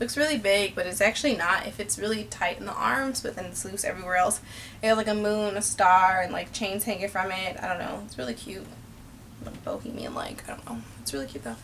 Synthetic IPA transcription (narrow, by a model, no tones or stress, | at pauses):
lʊksɹɪlˠibɪɡ̚b̥ʌɾɨtsæk̚t͡ʃʉl̩ˠinəɾɪ̰fɨtsɹɪlˠitʰaɪɾn̩ðḭʔɑ̰ɹmz̥b̥ʌt̪̚ðɨ̃nslipsɛ̰vɹiwɛɹɛlˠs | ɨlaɪkɨmũnnɨstɑɹɨ̃nla̰ɪk̚t͡ʃʰẽɪ̃nz̥hæ̃ŋɨŋfɹʌ̃mɪt̚aɪdõʊ̃nːo̰ʊɨtsɹɪlˠikʰj̥ʉt̚ | la̰k̚b̥o̰ʊkḭ̃mḭɨ̰̃nla̰ɪkaɪdõʊ̃nːo̰ʊ | ɨtsɹɪlˠikʰjʉt̪̚ðoʊ